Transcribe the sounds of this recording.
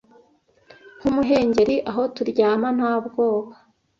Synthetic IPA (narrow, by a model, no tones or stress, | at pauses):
ŋ̥umuɦe̞ːɲɟe̞ɾiʔaɦo̞tuɾɟaːman̥haːbɡo̞ːβa